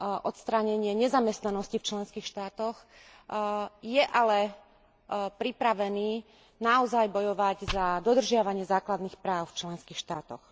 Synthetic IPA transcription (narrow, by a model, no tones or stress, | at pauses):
ʔɔt̪st̪ɾaɲɛɲɪɛɲɛzamɛst̪nanɔscift͡ʃlɛnskiːxʃt̪aːt̪ɔx | jɛʔalɛ | pɾipɾaʋɛniː | naɔzajbɔjɔʋaɟzad̪ɔd̪r̩ʒɪaʋaɲɪɛzaːklad̪nixpɾaːʊft͡ʃlɛnskiːxʃt̪aːt̪ɔx